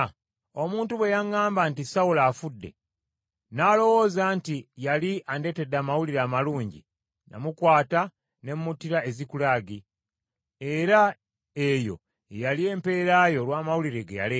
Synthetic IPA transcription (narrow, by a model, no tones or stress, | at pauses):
o̞muːntuβwe̞jaŋaːmbantisawulaːfudːe̞̰ | naːlo̞wo̞ːzaːntijaliande̞te̞daːmawuliɾaːmaluːɲɟḭ | na̰mukwaːta | ne̞mːutiɾae̞zikulaɡi | e̞ɾa | ejo̞̰ | jalie̞ːmpe̞ːɾajo̞lwaːmawuliɾeɡeja̰leː